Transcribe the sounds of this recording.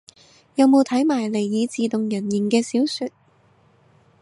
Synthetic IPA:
jɐ˨˧wmo˨˧wt̪ʰɐ˨˥jmaː˨˩jle˨˩jːiː˨˧t͡siː˨t̪ʊ˨ŋjɐ˨˩nji˨˩nkɛː˧siː˨˥wsy˨˧t̚

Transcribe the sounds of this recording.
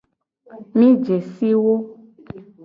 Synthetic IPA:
mĩ˦d͡ʒe˨si˦wo˦

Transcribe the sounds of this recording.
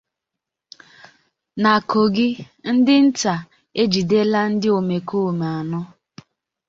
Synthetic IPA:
na˨ko˨ɡɪ˦ | n̩˦dɪ˦n̩˦ta˨ | e˦d͡ʒi˨de˦la˦n̩˦dɪ˦o˨me˨ko˦˨m˨a˨nʊ˦

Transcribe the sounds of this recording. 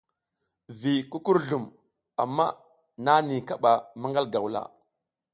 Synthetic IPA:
vi˨ku˦ku˦ɾɮu˨m | a̰˨mːa˦ | na˦ni˨ka˦ɓa˨ma˦ŋɡa˦lɡa˨wla̰˦˨

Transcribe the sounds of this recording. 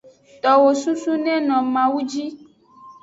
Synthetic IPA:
t̪ɔ˨wo˨su˦su˦nɛ̃˦nɔ̃˨mã˨wu˦d͡ʒi˦

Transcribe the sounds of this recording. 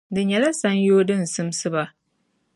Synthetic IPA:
dɨ˨ɲɛ˨la˦sa˦njoː˦dɨ˦n̩˨sɨ˦msɨ˦ba˨

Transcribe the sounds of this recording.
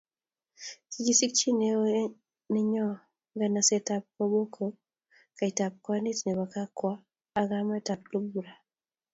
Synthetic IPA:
ki˨ɡi˦si˦k̚t͡ʃi˦ne˦o | nɛ˦ɲɔ˦ | ŋɡa˨na˨sɛta˦p̚kɔ˦bo˦kʰo˨ | ka˨i˨ta˨p̚kwa˦ni˦tnɛ˨ba˨ka˦kwaː˦˨ | ɡa˦mɛ˦ta˨p̚lu˦bu˨ɾa˨

